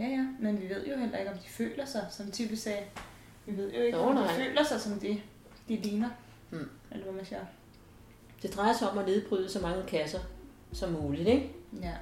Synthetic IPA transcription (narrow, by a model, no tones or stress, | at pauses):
jæjæmenʋiʋe̝ð̞̰ˠjo̝ɦel̰ɐe̝ɡ̥ɒ̽md̥i̥fø̰ːlɐsɑ̈ɪsɒ̽mt͡sʰyb̥əsɛː | ʋiʋe̝ð̞̰ˠjo̝e̝ɡɒnfø̰ːlɐsɑ̈ɪsɒ̽md̥e̝ | d̥eleːnɐ | elɐʋæmænsiɐ̰ | d̥e̝d̥ʁɑ̈ɪɐsɒ̽mæne̝ðˠb̥ʁyːðˠəsɒ̽mɑ̈ŋəkʰæsɐ | sɒ̽mːuːlid̥eɡ̥jæ